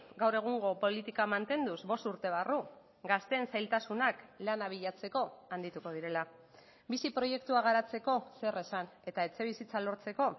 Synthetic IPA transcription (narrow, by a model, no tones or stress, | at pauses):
ɡawre̞ɣ̞uŋɡo̞po̞lit̪ikamant̪e̞nd̪uzbo̞st̪uɾt̪e̞β̞aru | ɡast̪e̞ːnsajlt̪asunaklanaβ̞iʎat͡se̞ko̞and̪it̪uko̞ð̞iɾe̞la | bisipɾo̞je̞kt̪uaɣ̞aɾat͡se̞ko̞se̞re̞sane̞t̪ae̞t͡se̞βisit͡salo̞ɾt͡se̞ko̞